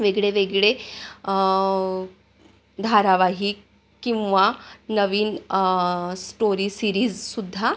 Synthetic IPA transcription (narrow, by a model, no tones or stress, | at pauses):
ʋeɡɭeʋeɡɭe | d̪ʱaɾaʋaɦi | kĩw̃ʋanəʋiːn | sʈoɾiːsiɾiːzsud̪ʱːa